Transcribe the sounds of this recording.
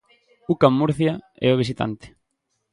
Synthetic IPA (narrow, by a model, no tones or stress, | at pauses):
ukamːuɾθjaɛ̰oβ̞is̬it̪a̰nt̪ɪ̥